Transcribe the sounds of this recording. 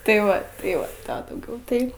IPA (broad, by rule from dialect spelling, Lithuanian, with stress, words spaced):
tɐɪ ˈʋɐ tɐɪ ˈʋɐ ˈtɑː dɐʊˈɡʲɛʊ tɐɪ